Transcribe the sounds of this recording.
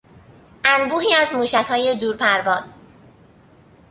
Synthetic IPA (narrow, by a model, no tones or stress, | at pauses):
ʔænbuːɦiːæzmuːʃækʰhɒːje̞d̪uːɾpʰæɾvɒːz̥